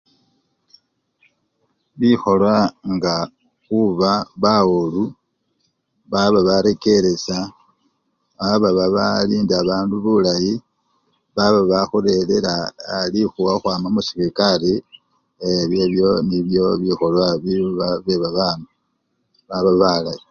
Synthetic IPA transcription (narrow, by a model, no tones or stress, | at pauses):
βixo̞lwaŋɡa | xuβaβaolu | βaβaβaɾe̞ke̞ɾe̞sa | βaβaβaβaliːndaβaːnduβulaji | βaβaβaxuɾe̞le̞laalixuwaxwaːmamusiɾikale | eβjeβjo̞niβjo̞βixo̞lwaβiβaβeβaβama | βaβaβalaji